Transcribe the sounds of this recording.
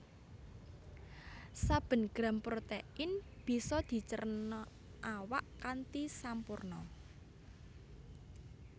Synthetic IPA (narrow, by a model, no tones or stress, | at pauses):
sab̥ə̤nɡ̥ɾa̤mpɾot̪ɛʔɪnb̥i̤sɔd̪̥i̤t͡ʃərnɔ | ʔawaʔkant̪isampurnɔ